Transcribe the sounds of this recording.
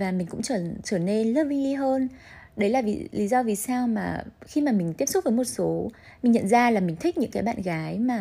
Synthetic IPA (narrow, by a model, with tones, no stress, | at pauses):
vaː˨˩mi˨˩ŋ̟kʊ̰˧˥ŋ͡mt͡ɕəː˧˩t͡ɕəː˧˩ne˧nlə˦˥t̚vi˧li˧ɦəː˧n | ɗə˨˦jlaː˨˩vḭ˨˩li˨˦zɔ˧vi˨˩saː˧wmaː˨˩xi˧maː˨˩mi̟˨˩t̪i˦˥əp̚sʊ˦˥k͡p̚və˨˦jmo˨˩t̚so˨˦ | mï˨˩ŋ̟ɲə̰˧˨nzaː˧laː˨˩mï˨˩ŋ̟t̪ʰi˦˥k̟̚ɲɨ̰˧˥ŋkaː˨˦jɓa̰ː˧˨nɣaː˨˦jmaː˨˩